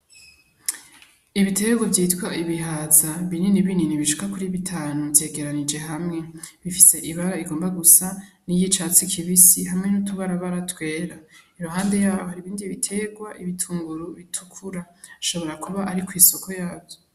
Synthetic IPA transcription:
iβite̞ɡwavjiːtkwaʔiβiɦaːzaβininiβininiβiʃu̥kakuɾiβitʰaːnuvje̞ːɡe̞ɾanid͡ʒe̞ɦamŋe̞βifise̞ʔiβaɾaiɡo̞ːmbaɡusanijit͡ʃaːt͡sikʰiβisiɦamŋe̞nutuβaɾaβaɾatwe̞ːɾaiɾuɦaːnde̞jaːβohaɾiβiːndiβitʰe̞ɡwaʔiβitʰuːŋɡuɾuβitʰukʰuɾa | iʃo̞βo̞ɾakuβaʔaɾikwiːso̞kʰo̞jaːbjo

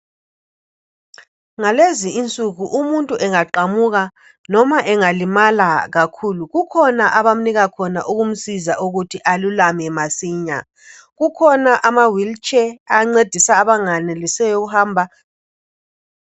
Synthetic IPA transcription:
ŋaleziːnt͡sʼuɣuʔumuntʼuʔɛŋaǃamuɣa | nɔmaʔɛŋalimalaɣakʰuluɣukʰɔnaʔaβam̩niɣakʰɔna̰ʔuɣum̩sizaʔuɣutʰiʔalulamɛmasiːɲa̰ | ɣukʰɔnaʔamawilt͡ʃʼɛaŋ͡ǀed̥ʱisaːβaŋanɛlisɛjɔɣuhaːmbʱa

